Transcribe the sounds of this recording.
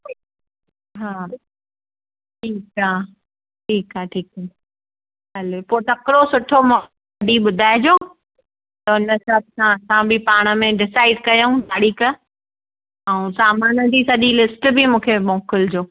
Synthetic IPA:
ɦaː | ʈʰiːkɦaː | ʈʰiːkɦaːʈʰiːkaː | ɦɐlepoːt̪ɐkɾosʊʈʰomõ | ɖʱiɓʊd̪ʱaːɪd͡ʑoː | t̪ɐʊnə̆sɐb̚sãsãbɪpaːɽ̃ə̆mẽɖɪsaːɪɖkɐjoũd̪aːɽikə | ɛũsaːmaːnəd͡ʑisɐʄilɪsʈbɪmũːkʰemõːkɪld͡ʑoː

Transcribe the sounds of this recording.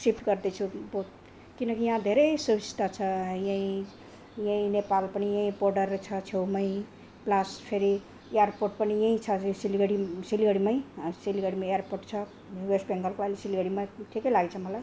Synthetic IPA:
sipʰʈɡʌrd̪et͡sʰubot̪ | kinʌkijãd̪ʱeɾʌjsubist̪at͡sʰʌjãĩ | jãĩnepalpʌnijʌ̃ĩborɖʌrt͡sʰʌt͡sʰewmʌj̃ | plaspʰeɾi | ejarpoʈ̚pʌnijʌ̃ĩt͡sʰʌsiliɡʌɽisiliɡʌɽimʌj̃siliɡʌɽimaejarporʈt͡sʰʌ | juwesʈ̚bʱeŋɡʌlkoajlesiliɡʌɽimaʈʰikʌjlaɡt͡sʰʌmʌlaj

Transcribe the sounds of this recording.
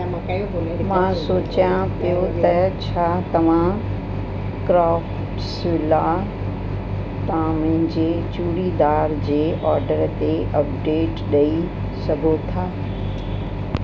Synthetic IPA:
mãsoːt͡ɕjãpijot̪ɐt͡ɕʰaːt̪ɐʋ̤ã | kɾaːf | ʈsʋɪla | t̪ɐãmʊ̃ɦɪ̃ɲd͡ʑet͡ɕuːɽid̪aːɾd͡ʑeːʔɔːɾɖəɾt̪eʔɐp̚ɖeːʈɗɐi | sɐɡʱot̪ʰaː

